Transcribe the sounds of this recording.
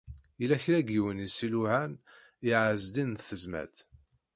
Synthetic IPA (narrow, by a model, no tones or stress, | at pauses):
jəlæçɾæɡiwənisiluʕæn | iʕəzd̪inθəzmæ̰lt̪